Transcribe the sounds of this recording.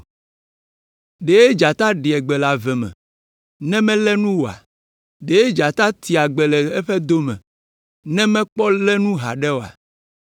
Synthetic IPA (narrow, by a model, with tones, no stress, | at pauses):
ɖe˨je˦d͡ʒa˨t̪a˦ɖi˨ɛ˨ɡ͡bɛ˨la˨vɛ˨mɛ̰̃˨ | nɛ̃˦mɛ̃˦lɛ˦nũ˦wo˨a̰˨ | ɖe˨je˦d͡ʒa˨t̪a˦t̪i˨a˨ɡ͡bɛ˨lɛ˨ɛ˦ɸɛ˦d̪o˦mɛ̰̃˨ | nɛ̃˦mɛ̃˦k͡pɔ˦lɛ˦nũ˦ɦa̰˨ɖɛ˦wo˨a̰˨